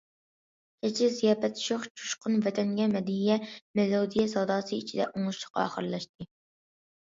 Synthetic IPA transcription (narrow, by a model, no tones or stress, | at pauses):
ɛt͡ʃʰɪzijɑːpɛt̪ʰʃoχt͡ʃʰu̥ʃqʊnvɛt̪ʰɛŋɡʲɛmɛd̪iijɛmelod̪ijɛsɑwd̪ɑːsɨit͡ʃʰid̪ɛ̰ʔoŋʊʃə̥qːɑ̰ːχəɾlˠɑʃt̪̚ɨ